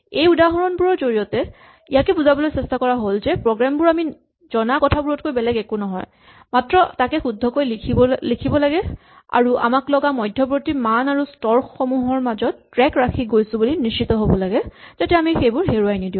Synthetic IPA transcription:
ejudaɦɔɹɔnbuɹɔɹzoɹijɔtɛ | ijakɛbuzabɔlojsɛstakɔɹaɦolzɛpɹɔɡɹambʊɹami | z̥ɔnakɔtʰabuɹɔt̚kojbɛlɛɡɛkunɔɦɔ̰j | matɹɔtakɛxudʱːɔkojkʰilikʰibɔlaɡɛ | a̰ɹuʔa̰maklɔɡamɔjdʱjɔpɹotimanaɹustɔɹxɔmuɦɔɹmazɔtːɹɛkɹakʰiɡojsʊ̃bulinist͡ʃitɔɦobɔlaɡɛz̥atɛamixejbʊɹɦeɹuajnidiʊ̃

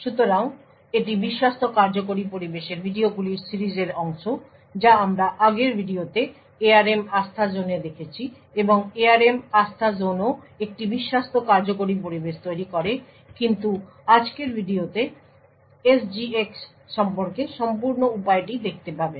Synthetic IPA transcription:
ʃut̪oɾaŋ | eʈ̬ibiʃːast̪ʰokaɾd͡ʑok̬oɾipoɾibeʃeɾbʱiɖioɡuliɾsiɾid͡ʑeɾɔŋʃo | d͡ʑaamɾaʔaɡeɾbʱiɖiot̪e | eaɾemast̪ʰad͡ʑoned̪ekʰet͡ɕʰi | eboŋeaɾemast̪ʰad͡ʑono | ek̚ʈibiʃːast̪ʰokaɾd͡ʑokoɾip̬oɾibeʃt̪ojɾikɔɾe | kint̪u | ad͡ʑkeɾbʱiɖiot̪e | esd͡ʑieksː | ɔmpoɾkeʃɔmpuɾnoupaeʈid̪ek̚ʰt̪epabe

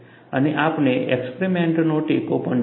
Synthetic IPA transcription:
əniʔapneʔekspɾimeɳʈnoʈikopəɳ

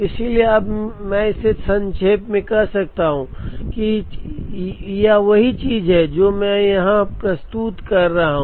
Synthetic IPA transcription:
ɪsilieɐbmɛ̃ɪsesɐ̃nt͡ʃʰeːpmẽkɐɦsɐk̚t̪aɦũki | jaʋɐɦit͡ʃiːzɦɛd͡ʒoːmɛ̃jɐɦãpɾɐst̪uːt̪kɐɾːɐɦaɦũː

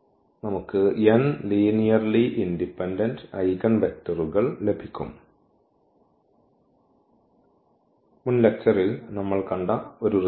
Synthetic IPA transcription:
nɐmukːɨjenliːnijɐrliʔindipːendɐndɐjɣɐnbektːɐruɣɐɭle̞bʱikʲːṵm | munlek̚t͡ɕːɐrilnɐmːɐɭkɐɳɖɐo̞ɾur

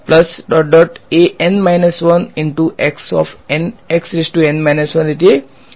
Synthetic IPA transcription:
plɐsɖɔɖɔʈeʔẽnmaɪnəsʋɐnɪ̃ɳʈuʔeksɔ̰fneksɾisʈuẽnmaɪnɐsʋɐ̃niʈe

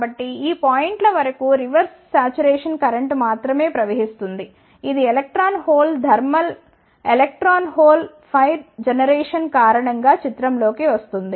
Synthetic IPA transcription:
bɐʈːiiːpaːjiɳʈlɐʋɐɾɐkuɾiʋɐɾs | saːt͡ʃuɾɛːʂɐnkɐɾɐɳʈmaːt̪ɾɐme̞ːpɾɐʋeɦist̪und̪i | id̪ielek̚ʈɾaːnɦoːld̪ʱɐɾmɐl | elek̚ʈɾaːnɦoːl | pʰɐjɾd͡ʒenɐɾeːʂɐnkaːɾɐɳɐŋɡaːt͡ʃit̪ɾɐmlo̞ːkiʋɐst̪und̪i

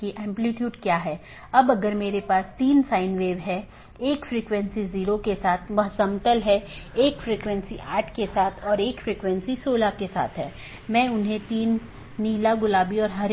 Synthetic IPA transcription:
kiʔɛ̃ːmpliʈjuːɖkjaːɦɛː | ɐbɐɡəɾmeːɾepaːst̪iːnsaːɪnʋeːʋɦɛ | eːkfɾiːkʋɛ̃nsiziːɾokesaːt̪ʰmɐɦsəmt̪əlɦɛeːkfɾiːkʋɛ̃nsiʔaːʈʰkesaːt̪ʰɔːɾeːkfɾiːkʋɛ̃nsisoːlakesa̰ːt̪ʰɦɛː | mɛ̃ːʊnɦẽt̪iːnː | iːlaɡʊlaːbiɔːɾɦɐɾ

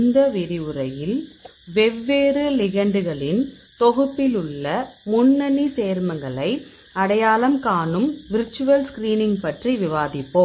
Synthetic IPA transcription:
nd̪ɐʋɪɾɪɯɾɐjɪlʋɛʋːeːrɯlɪɣɐɳɖɯɣɐɭɪn | t̪ɔɣɯpːɪlɯɭːɐmʊnːɐniseːɾmɐŋɡɐɭɐɪ | ɐɽɐjaːlɐmkaːnɯmʋɪɾt͡ʃːɯʋɐlskɾiːnɪŋɡpɐʈriʋɪʋaːðɪpːo

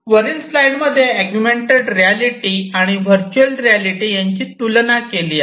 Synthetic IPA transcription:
ʋəɾinsflajʈməd̪ʱːjeæɡjumeɳʈeɖɾijaliʈiːaɽ̃iʋəɾt͡ɕuəlɾijaliʈiːjaɲt͡ɕiːt̪ulnakeliː

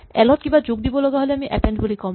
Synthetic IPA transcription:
ɛlɔt̪̚kĩmbad͡ʑoɡd̪ibolɔɡaɦoleamiʔɛ̰peɳɖbolikɔm

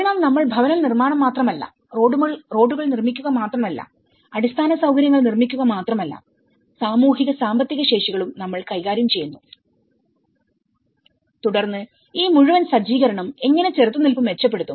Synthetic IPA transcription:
ɳɐlnɐmːɐɭbʱɐʋɐnɐlnirmaːɳɐmːaːt̪rɐmɐlːɐ̰ | ro̞ːɖumɐɭro̞ːɖuɣɐɭnirmikʲːuɣɐmaːt̪rɐmɐlːɐ̰ | ɐɽist̪ʰaːnɐsɐwɡɐɾjɐŋːɐɭnirmikʲːuɣɐmaːt̪rɐmɐlːɐ̰ | saːmuːɦiɣɐsaːmbɐt̪ːiɣɐɕe̞ːʂiɣɐɭumnɐmːɐɭkɐjɣaːɾjɐmt͡ɕe̞junːu | t̪uɽɐrnːɨ | iːmuɻuʋɐnsɐd͡ʑiːɣɐɾɐɳɐme̞ŋːɐne̞t͡ɕert̪ːunːilpumʋe̞t͡ɕːɐp̬ːe̞ɽut̪ːum

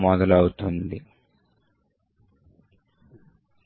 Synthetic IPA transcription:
maːd̪ɐlɐwut̪ond̪i

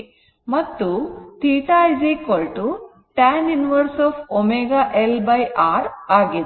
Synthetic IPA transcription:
mɐt̪ːut̪iːʈaːjd͡ʒikolʈu | ʈaːninʋɐɾsɔːpʰomeɡaʔelbɐjʔaːɾaːɡi

